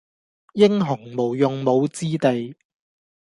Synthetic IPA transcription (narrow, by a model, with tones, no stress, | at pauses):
jɪ˥ŋɦʊ˨˩ŋmo˨˩wjʊ˨ŋmo˨˧wt͡siː˥t̪e˨j